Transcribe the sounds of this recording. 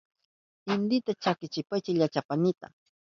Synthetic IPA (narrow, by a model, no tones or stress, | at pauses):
ɪnd̪ɪt̪at͡ʃakɪt͡ʃɪpajt͡ʃɪʎat͡ʃapanɪt̪a̰